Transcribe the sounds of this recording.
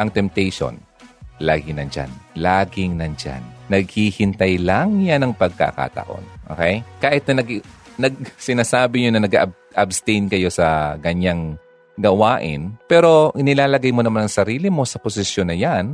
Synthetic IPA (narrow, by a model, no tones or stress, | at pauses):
ʔɐŋt̪ɛmp̚t̪ɛjʃo̰n | laːɡɪŋnɐnd͡ʒa̰nlaːɡɪŋnɐnd͡ʒa̰nːɐɡ̚hihɪnt̪ɐjlaŋjanɐŋpɐɡ̚ka̰ːka̰t̪ɐ̰ʔo̞̰nʔo̰ːkɛjkaːʔhɪt̪̚nɐnɐɡnɐɡ̚sɪnaːsaːbɪɲonɐnɐɡɐb | ʔɐbst̪ɛjnkɐjo̞sɐkɐɲaŋ | ɡɐwaːʔɪ̰npɛːɾo̞ʔɪnɪlaːlɐɡajmo̞nɐmanɐŋsɐɾiːlɪmo̞sɐposɪsjonːɐjan